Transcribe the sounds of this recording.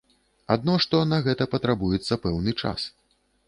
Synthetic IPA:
ad̪nɔʂt̪ɔnɐɣɛt̪ɐpɐt̪ɾabujɛt̪sːɐpɛwnɨt͡ʂa̰s

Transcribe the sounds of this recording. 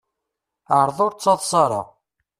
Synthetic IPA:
ʕəɾˤðˤʊɾt͡sːɑðˤsˤɑɾˤɑ̰

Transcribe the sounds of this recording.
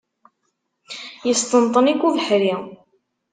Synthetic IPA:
jəst̪ənt̪ˤːənikːuvəħɾi

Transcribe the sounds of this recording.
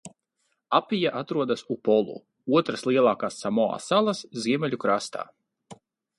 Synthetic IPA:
apʲijaʔat̪ɾuɔd̪asupɔlˠṵ | uɔt̪ɾaslˠiɛlˠaːkaːsːamɔa̰ːsalˠasziɛmʲɛʎʲukɾast̪a̰ː

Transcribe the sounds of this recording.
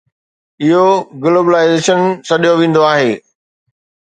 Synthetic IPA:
ɪɦoɡloːbəlaːɪzeːʃənsɐɗijoʋẽːn̆d̪oaːɦeː

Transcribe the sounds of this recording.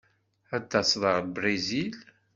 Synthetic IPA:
æt̪ːɑsðˤəʁlbɾezil

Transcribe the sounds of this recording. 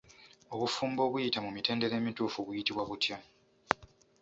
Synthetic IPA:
o̞βufuːmbo̞ːβujitamumite̞ːnde̞ɾe̞ːmituːfuβujitiβwaβutja

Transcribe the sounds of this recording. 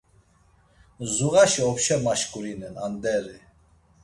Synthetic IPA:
zuɣaʃiɔpʃɛmaʃkʼuɾinɛna̰nd̪ɛɾi

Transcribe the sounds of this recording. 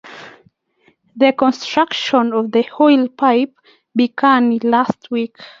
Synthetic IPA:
ðəkɔ̃nstɹ̥akʃə̃nɔvðəhɔɪlˠpʰaɪp̚ | biɡãnlastʰwik

